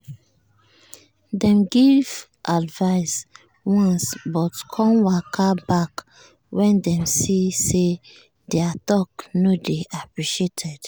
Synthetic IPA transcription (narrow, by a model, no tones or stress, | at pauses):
dɛ̃mɡiv | ʔadvaɪs | wɔ̃nsbɔtkʰɔ̃nwakʰabak | wɛ̃ndɛ̃msise | dɛatɔknodeʔapɹiʃetʰɛd̥